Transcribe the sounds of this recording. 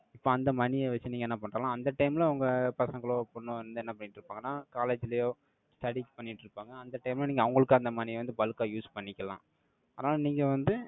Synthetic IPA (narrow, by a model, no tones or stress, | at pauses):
ɪpːoːɐnd̪ɐmɐnɪjɐʋɐt͡ʃːɯniːŋɡɐɛnːɐpɐɳrɐːlãːɐnd̪ɐʈɐɪmlɐɐʋɐŋɡɐpɐsɐŋɡɐɭoːpɔɳːõɛnnd̪ɯɛnːɐpɐɳːɪʈːɾɯpːaːŋɡɐnːaːkaːleːd͡ʒɪlɐjoː | sʈɐɽipɐɳːɪʈːɾɯpːaːŋɡɐːnd̪ɐʈːɐɪmlɐniːŋɡɐʋɐŋɡɐɭɯkːɯɐnd̪ɐmaːnɪʋɐnd̪ɯbɐlɯkːaːjuːspɐɳːɪkʲːɐlã̰ː | ɐðɐnaːlniːŋɡɐʋɐnd̪ɯ